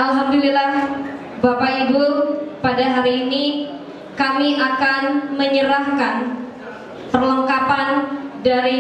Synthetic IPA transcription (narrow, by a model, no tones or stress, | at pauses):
ʔalɦamdulilah | bapaiburpadaɦaɾiːni | kamiʔakanməɲəɾahkan | pərlɔŋkapandaɾi